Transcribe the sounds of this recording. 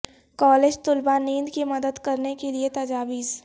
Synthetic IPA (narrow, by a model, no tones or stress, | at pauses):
kɔːleːd͡ʒt̪ʊlbanĩːnd̪kimɐd̪əd̪kɐɾnekeliet̪ɐd͡ʒaːʋiːz